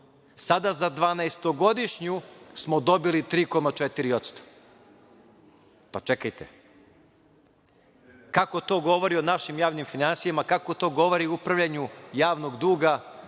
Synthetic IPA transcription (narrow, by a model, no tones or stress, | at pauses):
sad̪azad̪ʋaːnaest̪oɡo̞d̪iʃɲusmo̞d̪o̞bilit̪ɾiːko̞mat͡ʃet̪iɾio̞t̪st̪o̥ | pat͡ʃekajt̪ḛ | kako̞t̪o̞ːɡo̞ʋo̞ɾio̞naʃimjaːʋnimfinansijamakako̞t̪o̞ːɡo̞ʋoɾioupɾaʋʎaɲujaːʋno̞ɡd̪uːɡa